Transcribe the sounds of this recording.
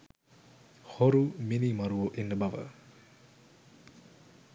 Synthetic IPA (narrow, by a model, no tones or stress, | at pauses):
hoɾuminimaɾuoʔinːəbaʋə̰